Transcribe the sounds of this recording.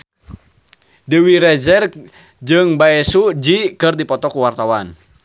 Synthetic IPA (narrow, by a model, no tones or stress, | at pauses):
dəwiɾɛd͡ʒɛr | d͡ʒɨŋbaɛsud͡ʒikɨrdipɔt̪ɔkuwart̪awan